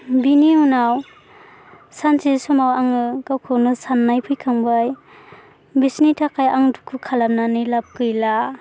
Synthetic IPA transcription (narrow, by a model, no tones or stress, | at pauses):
biniunaw | sansisɔmawaŋɯkawkʰɯnɯsanːajpʰɯjkʰaŋbaj | bisnitʰakʰajaŋdukʰɯkʰalap̚nanɯjlap̚kɯjla